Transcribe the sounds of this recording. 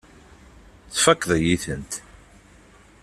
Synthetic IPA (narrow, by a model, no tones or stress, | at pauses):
t͡sfækːðˤəjiθənt̪